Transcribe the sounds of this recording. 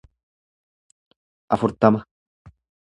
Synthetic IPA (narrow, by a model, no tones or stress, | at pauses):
ʔɐfʊɾt̪ɐmɐ